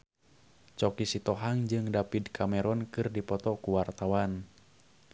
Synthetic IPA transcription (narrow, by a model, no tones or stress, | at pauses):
t͡ʃɔkisit̪ɔɦaŋd͡ʒɨŋdapid̪kʰamɛɾɔnkɨrdipɔt̪ɔkuwart̪awan